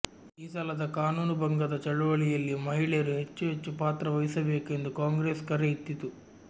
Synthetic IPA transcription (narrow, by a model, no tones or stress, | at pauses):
iːsɐlɐd̪ɐkaːnuːnubʱɐŋɡɐd̪ɐt͡ʃɐɭuʋɐɭijɐlːimɐɦiɭejɾuɦe̞t͡ʃːuɦe̞t͡ʃːupaːt̪ɾɐʋɐjisɐbe̞ːke̞nd̪ukaːŋɡɾeːskɐɾeit̪ːit̪u